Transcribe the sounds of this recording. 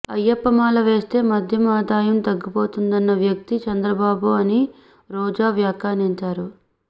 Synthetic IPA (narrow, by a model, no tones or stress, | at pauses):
ɐjːɐpːɐmaːlɐʋe̞ːst̪e̞ːmɐd̪ʱjɐmaːd̪aːjɐmt̪ɐɡːipo̞ːt̪und̪ɐnːɐʋjɐk̚t̪it͡ʃɐnd̪ɾɐbaːbuɐni | ɾɔːd͡ʒaːʋjaːkaːniɲt͡ʃaːɾu